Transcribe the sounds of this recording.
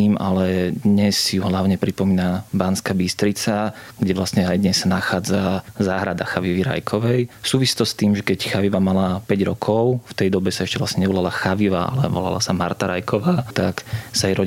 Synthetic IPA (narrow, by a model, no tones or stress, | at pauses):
ma̰lɛd̪ɲɛsjuɦlaʊɲɛpɾipɔmiːnabaːnskabist̪ɾit͡saɡɟɛʋlast̪ɲɛajd̪ɲɛsːanaxaːd͡zazaːɦɾad̪axaʋiʋiɾa̰jkʰɔʋɛjsuːʋisi̥t̪ɔst̪iːmʒɛkɛcxaʋiʋamalapɛɟɾɔkʰɔʊft̪ɛjd̪ɔbɛsaɛʃcɛʋla̰sɲɛɲɛʋɔlalaxaʋiʋa̰a̰lɛ̰ʋɔ̰la̰la̰samaɾt̪aɾa̰jkʰɔʋaːt̪aksajɾɔ